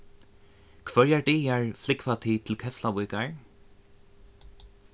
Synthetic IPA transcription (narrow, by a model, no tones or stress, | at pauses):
kʰvœɹjaɹd̪iːjaɹflɪkvat̪ʰiːt̪ʰɪlkʰɛflapujkaɹ